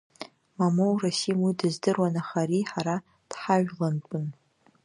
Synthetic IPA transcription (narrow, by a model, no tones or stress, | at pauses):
mamowrasijmidɨzdɨrwanaχaɾiħaɾa | d̥ħaʒᶣlantʷʼʊn